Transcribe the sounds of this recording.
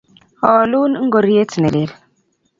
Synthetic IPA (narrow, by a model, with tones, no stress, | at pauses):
ɔ˨lu˦nŋ̩˦ɡo˨ɾi˦e˦tne˨le˨l